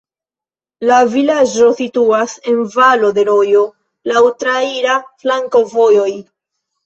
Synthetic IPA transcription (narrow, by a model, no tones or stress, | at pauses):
lavilad͡ʒo̞situase̞nvalo̞de̞ɾo̞jo̞ | lawtɾaiɾaflaŋko̞vo̞jo̞j